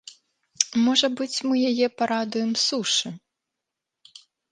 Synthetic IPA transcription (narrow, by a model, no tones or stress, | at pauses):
mɔʐɐbɨt͡sʲmɨjajɛpaɾad̪ujɛmsuʂɨ